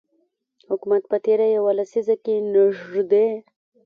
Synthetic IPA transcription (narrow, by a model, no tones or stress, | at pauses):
hʊkumat̪̚pət̪eɾajawalasizakenaʒʐd̪e